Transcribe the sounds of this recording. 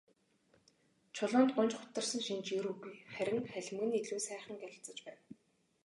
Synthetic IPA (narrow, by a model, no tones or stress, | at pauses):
t͡ɕʰʊɮʊːnt̪̚ɢʊnt͡ɕχʊ̥t̪ːə̆r̥sə̆ŋʃint͡ɕjeɾuɣujχæɾʲɪ̆ŋχæɮʲɪ̆mɡɘ̆niɮuːsæːχə̆ŋɡæɮʲɪ̆t͡sə̆t͡ɕpæːn